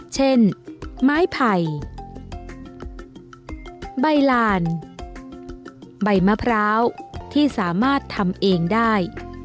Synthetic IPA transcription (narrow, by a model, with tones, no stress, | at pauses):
t͡ɕʰe˥˩nmaː˦˥jpʰa˨˩j | ba˧jlaː˧n | ba˧˩jma˦˥pʰɾaː˦˥wt̪ʰiː˥˩saː˩˦maː˥˩t̪ʰːa˧mʔeː˧ŋdaː˥˩j